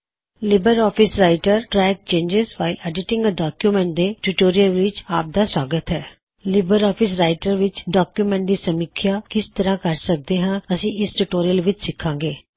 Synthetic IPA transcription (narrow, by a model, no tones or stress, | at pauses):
lɪbəɾɔːpʰɪsɾaːɪʈəɾʈɾɛːk̚t͡ʃẽːɲd͡ʒɪzʋaːɪlɛːɖɪʈɪ̃ŋɡəɖaːkjuːmɛ̃ːɳʈ̚d̪eːʈuʈoːɾijəlʋɪt͡ʃaːp̚d̪aːswaːɡət̪ɦɛː | lɪbəɾɔːpʰɪsɾaːɪʈəɾʋɪt͡ʃɖaːkjuːmɛ̃ːɳʈ̚d̪iːsəmɪkʰɪjaːkɪst̪əɾãːkəɾsək̚d̪eːɦãːəsĩːɪsʈuʈoːɾijəlʋɪt͡ʃsɪkʰːãːɡeː